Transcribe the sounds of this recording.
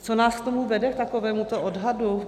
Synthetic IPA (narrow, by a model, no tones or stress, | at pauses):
t͡sonaːskt̪omuvɛdɛkt̪akovɛːmut̪oʔodɦadu